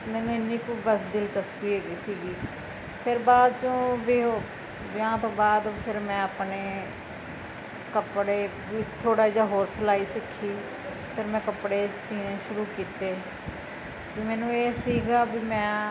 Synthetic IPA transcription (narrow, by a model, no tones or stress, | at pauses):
mɛːnũːɪnːiːkobəsd̪ɪlt͡ʃəskiːeːɡiːsiːɡiː | pʰɪɾbaːd̪t͡ʃõːbiːo | bɪãːt̪õːbaːd̪pʰɪɾmɛ̃ːəpneː | kəpɽeː | biːt̪ʰoːɽaːid͡ʒaːɦoːɾslaːiːsɪkʰːiː | pʰɪɾmɛ̃ːkəpɽeːsiːnẽːʃʊɾuːkiːt̪eː | biːmɛːnũːeːsiːɡaːbiːmɛ̃ː